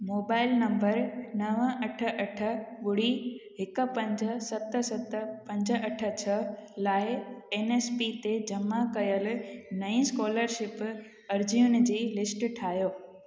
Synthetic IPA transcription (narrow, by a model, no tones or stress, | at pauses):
moːbaːɪlnɐ̃mbəɾnɐʋəɐʈʰə̆ʔɐʈʰə̆ɠʊɽiɦɪkʊ̆pɐ̃ɲd͡ʑə̆sɐt̪sɐt̪pɐ̃ɲd͡ʑə̆ʔɐʈʰə̆t͡ɕʰɐlaːɪeːneːspit̪ed͡ʑɐmakɐjəl̆nɐĩskoːləɾʃɪp | ɐɾd͡ʑiʊnɪ̆d͡ʑiːlɪsʈʈʰaːɦjoː